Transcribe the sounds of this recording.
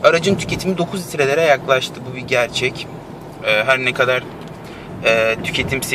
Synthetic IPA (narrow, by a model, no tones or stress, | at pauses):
aɾad͡ʒɯmt̪ʰy̥cʰe̞t̪ʰimid̪o̞kʰuzist̪ɾe̞lʲeɾɛajaklˠaʃt̪ʰɯbubiɟæɾt͡ʃʰɛc | ɛːɦæɾnɛkʰad̪aɾ | ɛːt̪ʰy̥cʰe̞t̪ʰimse